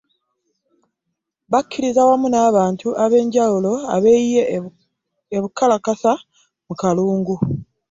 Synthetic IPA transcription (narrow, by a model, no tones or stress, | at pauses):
βakːiɾizawamunaːβaːntuʔaβe̞ːɲɟawulo̞a̰βejije | eβukːalakasa | mukaluːŋɡu